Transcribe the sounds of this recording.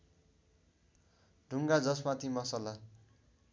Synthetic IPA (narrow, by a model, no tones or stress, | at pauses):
ɖʱuŋɡad͡zʌsmat̪ʰimʌsala